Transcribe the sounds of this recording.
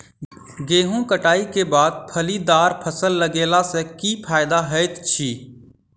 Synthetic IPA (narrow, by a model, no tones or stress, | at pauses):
ɡeːɦõːkəʈaːikeːbaːd̪̚pʰəliːd̪aːɾpʰəsəlːəɡeːlaːseːkiːpʰaːɪd̪aːɦəɪt̪t͡ʃʰiː